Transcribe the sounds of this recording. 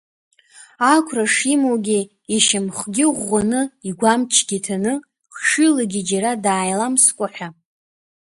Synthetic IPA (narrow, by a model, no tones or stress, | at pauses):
akʷʰraʂimowɡʲi | iʃamχɡʲɪʁʷːanɨiɡʷamt͡ʃʰɡʲitʰanɨ | χʂɨlaɡʲid͡ʒaɾadaːjlamskʷʼʊħʷᶣa